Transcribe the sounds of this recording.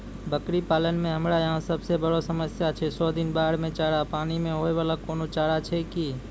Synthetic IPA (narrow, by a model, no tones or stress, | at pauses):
bəkɾipaːlənmẽɦəmɾajəɦãsəbsebəɽosəməsjat͡ʃʰɛsɔd̪ɪnbaːɽmẽt͡ʃaːɽapaːnimẽɦoeʋaːlakoːnot͡ʃaːɾat͡ʃʰɛki